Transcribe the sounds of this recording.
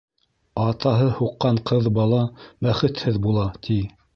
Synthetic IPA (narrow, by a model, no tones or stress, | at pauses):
ɑt̪ɑɦɤhuqːɑɴqɤðbɑlˠɑbæχɘ̆t̪hɘðbulˠɑt̪ʰi